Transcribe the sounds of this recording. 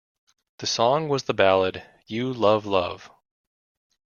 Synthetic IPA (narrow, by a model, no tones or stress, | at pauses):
ðɨsɔ̃ŋwʌzðəbælˠəd̥ | jɨlʌvlʌv̥